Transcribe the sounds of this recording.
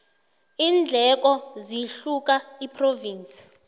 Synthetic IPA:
iːnd͡ɮʱɛk̬ʼɔziɬuk̬ʼaipʰroviːnsʼi̥

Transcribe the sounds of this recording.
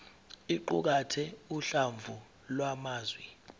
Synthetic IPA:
iǃuk̬atʰɛuɬaɱvʱu | lwamaːzwi

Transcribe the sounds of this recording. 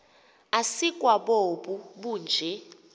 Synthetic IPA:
asik̬ʼwaɓoɓuɓuːnd͡ʒʱɛ

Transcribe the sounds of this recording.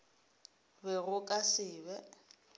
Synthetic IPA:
bɛrʊkʼasɪːbɛ

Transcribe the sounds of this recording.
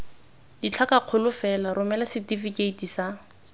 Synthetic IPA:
dit͡ɬʰakaq͡χʰʊlʊfɛlarʊmɛlasɪtifikʼeitisa

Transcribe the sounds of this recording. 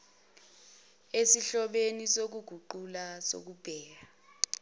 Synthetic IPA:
esiɬɔɓenisok̬uɡ̥ʱuǃulaso̰k̬ub̥ʱɛːka

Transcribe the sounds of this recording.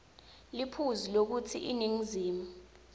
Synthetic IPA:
lipʰuzilok̬utʰḭʔiniŋiziːmu

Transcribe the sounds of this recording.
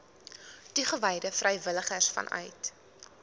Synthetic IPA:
d̥iχəvɛjdəfrʔɛjvələχərsfɐ̰nʔœ̰ɥt

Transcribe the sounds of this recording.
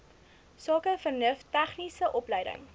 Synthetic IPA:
sɑːkəfərnəftæχnisəʔɔpləjdə̰ŋ

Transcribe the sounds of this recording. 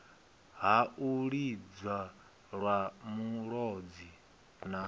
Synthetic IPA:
ɦaʔuɺid͡zwa | ɺwamuɺɔd͡zi | na

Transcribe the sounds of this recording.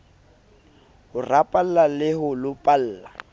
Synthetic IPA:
hʊrapʼal̩lalɪhʊlʊpʼal̩ːla

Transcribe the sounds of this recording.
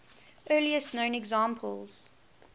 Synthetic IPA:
ʔɜːliəstnõʊ̃nɛɡzɑ̃ːmpʰəlˠz̥

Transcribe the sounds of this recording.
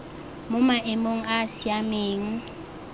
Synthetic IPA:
mʊmaʔɪmoŋ̩asiameːŋ̩

